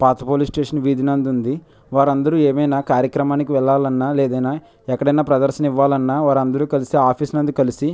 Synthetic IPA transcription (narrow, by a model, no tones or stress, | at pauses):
paːt̪ɐpoːlisʈeːʂɐnʋiːd̪inɐnd̪und̪i | ʋaːɾɐnd̪ɐɾueːmɐjnaːkaːɾjɐkɾɐmaːnikiʋɛɭːaːlɐnːaːleːd̪ɐjnaː | ɛkːɐɽɐjnaːpɾɐd̪ɐɾʃɐniʋːaːlɐnːaːʋaːɾɐnd̪ɐɾuːkɐlisiːaːpʰiːsnɐnd̪ikɐlisi